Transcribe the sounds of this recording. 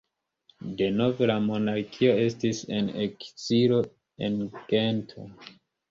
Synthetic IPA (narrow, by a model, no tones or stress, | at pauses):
de̞no̞velamo̞naɾkʰio̞e̞stise̞nḛkt͡silo̞ | enɡe̞ntʰo̞̰